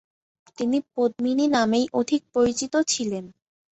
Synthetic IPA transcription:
t̪inipod̪̚mininamejʔod̪ʱik̚poɾit͡ɕit̪ot͡ɕʰilen

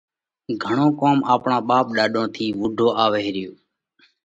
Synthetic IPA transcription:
ɡʱəɳoːkoːmaːpɳãːɓaːp̚ɗaːɗõːt̪ʰiːʋʊɖʱoːʔaːʋeːɾɪjoː

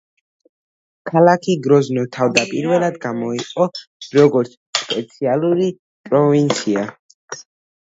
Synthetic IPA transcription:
kʰalakʰiɡɾɔznɔt̪ʰavd̪apʼiɾvɛlˠad̪ɡamɔiqʼɔɾɔɡɔɾt̪sʰspʼɛt̪sʰialˠuɾi | pʼɾɔvint̪sʰia

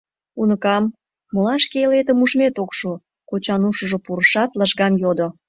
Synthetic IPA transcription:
unəkɑmː | olɑʃkeelet̪ə̆muʒmet̪okʃu | kot͡ɕɑnuʃəʒŏpuɾəʃɑt̪ləʃɣɑmjod̪o

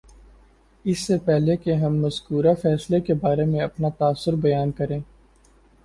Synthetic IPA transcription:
ɪsːepɛɦlekeɦɐmːɐzkuːɾafɛːslekebaːɾemẽɐpnat̪aːsːʊɾbɐjaːnkɐɾẽː

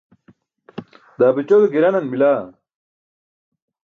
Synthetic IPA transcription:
d̪aːbit͡ɕod̪oɡiɾɐnɐnmilaː

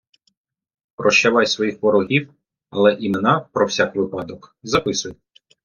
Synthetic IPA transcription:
pɾɔʃt͡ʃɛʋɑjsʋɔjixʋɔɾɔɦʲiw | ɐ̰lˠɛʔimenɑpɾɔwsʲakʋɪpɑd̪ɔkzɐpɪsʊj

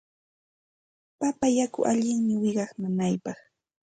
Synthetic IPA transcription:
papajakʊ̰ʔaʎɪŋmɪwɪɢɑχmʊnajpɑχ

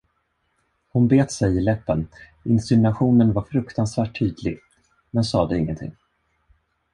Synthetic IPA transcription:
hʊnbeːt̪sɛjɪlɛpːən | ɪnsɪnaɧuːnənvaɾfɾɵkt̪ansvæːʈʰːyːd̪lɪɡ | mɛnsɑːd̪ɛɪŋːə̰nt̪ʰɪ̰ŋː

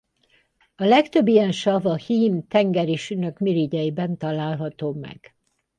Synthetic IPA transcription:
ɒlɛkt̪øbːijɛnʃɒvɒhiːmt̪ɛŋɡɛɾiːʃynøkmiɾiɟɛjibɛnt̪ɒlaːlɦɒt̪oːmɛ̰ɡ̥

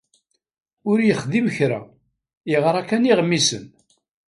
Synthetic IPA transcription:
ʊɾjəχðimçɾæ̰ | ɪʁɾˤækːæniʁmːisə̰n

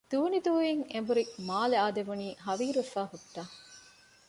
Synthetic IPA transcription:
d̪̥uːnid̪uːjiŋembuɾimaːleaːd̪eʋuniːɦɐʋiːɾufaːɦuʈːaː

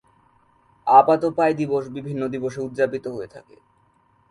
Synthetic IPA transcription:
apat̪opaed̪iboʃbibʱinːod̪iboʃ̬eud̪d͡ʑapit̪oɦoet̪ʰa̰kḛ

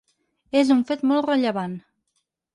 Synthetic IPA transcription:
ezuɱfet̪mɔlˠrəʎəβan

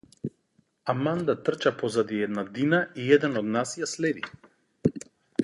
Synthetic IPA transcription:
amand̪at̪r̩t͡ʃapɔzad̪iɛd̪nad̪inaiɛd̪ɛnɔd̪nasjaslɛd̪ḭ

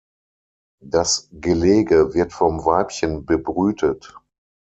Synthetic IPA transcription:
d̥asɡ̥əleːɡəvɪɐtfɔmvaɪpçənbəbʁyːtʰət

